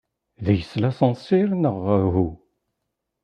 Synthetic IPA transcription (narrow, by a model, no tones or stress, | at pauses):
ðæjəslæsənsiɾnəʁəɦu